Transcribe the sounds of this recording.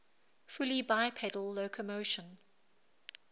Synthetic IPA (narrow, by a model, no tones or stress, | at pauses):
fulibaɪpʰɛdəlˠːoʊkʰəmoʊʃə̃n